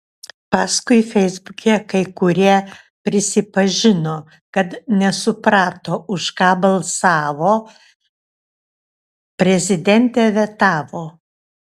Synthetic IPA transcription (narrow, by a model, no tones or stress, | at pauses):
pɑːskʊɪfʲɛɪzbʊkʲɛːkɐɪkʊɾʲiɛ | pʲɾʲɪsʲɪpɐʒʲɪnoː | kɐt̪nʲɛsʊpɾɑːt̪oːʔʊʃkɑːbɐlˠsɑːʋoː | pʲɾʲɛzʲɪd̪ʲɛnʲt̪ʲɛʋʲɛt̪ɑːʋoː